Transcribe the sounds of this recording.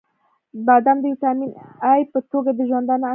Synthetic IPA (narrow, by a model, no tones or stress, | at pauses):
bad̪amd̪əjit̪aminajpət̪oɡad̪əʒwand̪ana